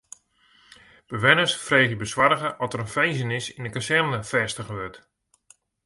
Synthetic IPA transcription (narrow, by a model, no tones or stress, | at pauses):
b̥əʋɛnəsfreːɣjəbəswarəɣəʔɔtəɾənfejzənɪsindəkasɛrnəfɛstəɣəʋøt